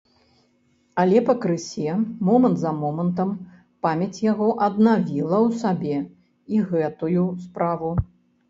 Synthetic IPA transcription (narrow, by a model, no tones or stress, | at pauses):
ɐlʲɛpɐkɾɨsʲɛmɔmɐnt̪zɐmɔmɐnt̪ɐm | pamʲɐt͡sʲjaɣɔʔɐd̪navʲilˠɐwsabʲɛ | iɣɛt̪ujuspɾavu